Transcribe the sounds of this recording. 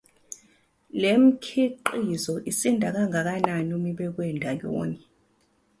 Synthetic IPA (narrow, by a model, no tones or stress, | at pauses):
lem̩kʰiǃizɔʔisindʱak̬aŋak̬ananumiɓɛk̬wɛndʱajo̰ːni